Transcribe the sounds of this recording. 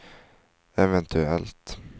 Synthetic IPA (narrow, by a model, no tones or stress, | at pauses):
ɛvɛnt̪ʰʉɛlt̪